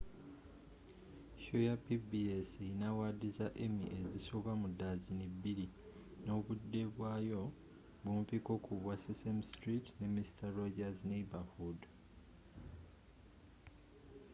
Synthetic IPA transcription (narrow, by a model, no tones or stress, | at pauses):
ʃojapibiesejinawadizaʔe̞mḭʔezisoβwamudːazinibːiɾi | no̞βudːe̞βwaːjo̞ | βumfiko̞ːkʰuβwasisemstɾitne̞mistaɾoɟazneibahud